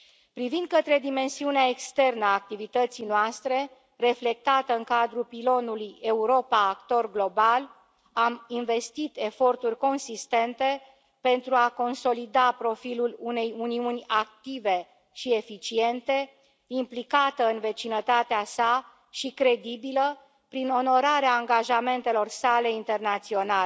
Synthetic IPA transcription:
pɾivind̪̚kət̪ɾe̞d̪ime̞nsiuneae̞kst̪e̞rnəaːk̚t̪ivit̪ət̪sijnoast̪ɾe̞ | re̞fle̞k̚t̪at̪əɨŋkad̪ɾupilo̞nuluje̞uɾo̞paːkt̪o̞rɡlo̞bal | aminve̞st̪it̪e̞fo̞rt̪urʲko̞nsist̪e̞nt̪e̞ | pe̞nt̪ɾuako̞nso̞lid̪apɾo̞filulune̞juniunʲak̚t̪ive̞ | ʃie̞fit͡ʃie̞nt̪e̞ | implikat̪əɨnve̞t͡ʃinət̪at̪easa | ʃikɾe̞d̪ibilə | pɾino̞no̞ɾaɾeaːŋɡaʒame̞nt̪e̞lo̞rsale̞int̪e̞rnat̪sio̞nal

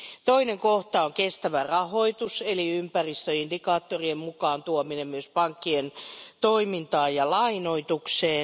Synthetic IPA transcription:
t̪oineŋkoht̪ɑoŋkest̪æʋærɑhoit̪useliympærist̪øindikɑːt̪ːoriemmukɑːnt̪uominemmyøspɑŋkːient̪oimint̪ɑːjjɑlɑinoit̪ukseː

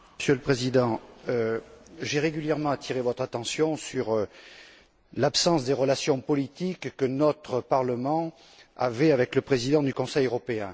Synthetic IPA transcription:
sjøləpχezid̪ɑ̃øʒeʁeɡʲyljɛʁmɑ̃at̪ʰiʁevɔt̪χat̪ɑ̃sjɔ̃syʁ | lapsɑ̃sd̪eʁəlasjɔ̃pɔlit̪ikːənɔt̪χəpaʁləmɑ̃ | a̰vɛavɛkləpχezid̪ɑ̃d̪ykɔ̃sɛjøʁɔpeɛ̃

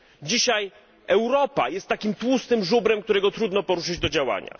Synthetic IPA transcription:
d͡ʑiɕaj | ɛwɾɔpa̰jɛst̪ːakʲimt̪wust̪ɘmʐubɾɛmk̚t̪uɾɛɡɔt̪ɾud̪nɔpɔɾuʂɘd͡ʑd̪ɔd͡ʑawa̰ɲa̰

